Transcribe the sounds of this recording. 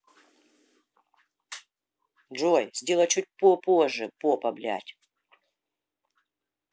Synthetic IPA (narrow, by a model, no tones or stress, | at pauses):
ʐojz̥ʲdʲelˠɐt͡ɕut̚ʲpopoʐːɨpopɐblʲa̰tʲ